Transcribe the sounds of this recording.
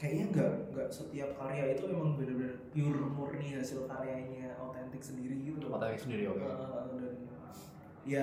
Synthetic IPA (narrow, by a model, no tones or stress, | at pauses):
kajaʔɲaŋɡaʔŋɡaʔsət̪iap̚kaɾeait̪umemaŋbadabdapiʊrmʊrniasilk̪aɾeaiɲaot̪ɛnt̪ɪk̚səndiɾiɡit̪umat̪awɪksəndiɾiokaat̪adadi | ja